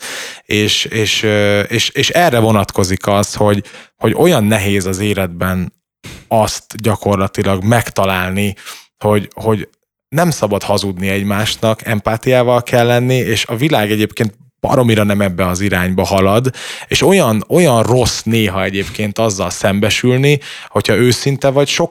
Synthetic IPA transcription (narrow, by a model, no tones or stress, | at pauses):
eːʃeːʃøeːʃeːʃɛrːɛvo̞nɒt̪kʰo̞zikɒsho̞ɟho̞ɟo̞jɒnːɛɦeːzɒzeːlɛd̪bɛn | ɒst̪ɟɒko̞rlɒt̪ilɒɡmɛkt̪ɒlaːlni | ho̞ɟho̞ɟ | nɛmsɒbɒd̪hɒzud̪niɛɟmaːʃnɒkɛ̰mpaːt̪ijaːvɒlkʰɛlːɛnːieːʃɒvilaːɡɛɟeːpkeːnt̪̚ | b̥ɒ̰ɾo̞miɾɒnɛmɛbːɛɒziɾaːɲbɒhɒlɒd̪eːʃo̞jɒno̞jɒnro̞sneːɦɒɛɟeːpkeːnt̪ɒzːɒlsɛmbɛʃylniho̞cʰhɒøːsint̪ɛvɒcʃo̞k